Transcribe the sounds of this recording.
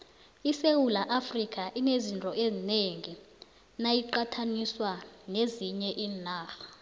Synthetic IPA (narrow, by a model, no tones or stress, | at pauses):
isewulaʔafrikʰʼaʔinezintʼɔʔezineŋi | najiǃatʰaniswaneziɲɛʔiːnaːxa